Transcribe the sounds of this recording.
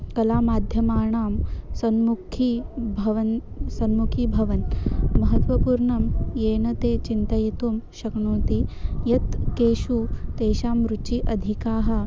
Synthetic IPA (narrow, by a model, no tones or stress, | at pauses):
kɐlaːmaːd̪ʱjɐmaːɳaːmsɐnmukʰibʱɐʋɐn | sɐnmukʰiːbʱɐʋɐnmɐɦɐt̪ʋɐpuːɾɳɐmjeːnɐt̪eːt͡ʃint̪ɐjit̪umʃɐkɳoːt̪ijɐt̪keːʃut̪eːʃaːmɾut͡ʃiʔɐd̪ʱikaːɦɐ̆